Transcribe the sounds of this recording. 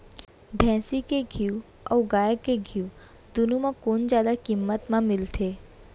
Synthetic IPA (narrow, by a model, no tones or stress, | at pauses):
bʱɛ̃ːsikeɡʱiu | ɔːɡaːjkeɡʱiu | d̪ʊnumãkoːnd͡ʒjaːd̪akimːət̪mãmɪlt̪ʰeː